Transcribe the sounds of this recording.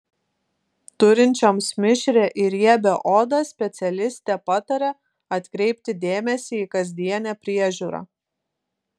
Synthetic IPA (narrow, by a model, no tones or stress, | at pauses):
t̪ʊɾʲɪnʲt͡ʃʲomsmʲɪʃʲɾʲeːʔɪɾjiɛbʲɛʔoːd̪ɐsʲpʲɛt̪sʲɛlʲɪsʲt̪ʲɛpɑt̪ɐɾʲɛ | ɐt̪ʲkɾʲɛɪp̚ʲt̪ʲɪd̪ʲeːmʲɛsʲiikɐzʲd̪ʲiɛnʲɛːpʲɾʲiɛʒʲuːɾɑ̰ː